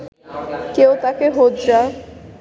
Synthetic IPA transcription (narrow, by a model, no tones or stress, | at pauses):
kewt̪akeɦot̪d͡ʑa